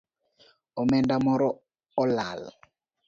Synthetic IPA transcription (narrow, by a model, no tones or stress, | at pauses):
ɔmɛndamɔɾɔː | la̰l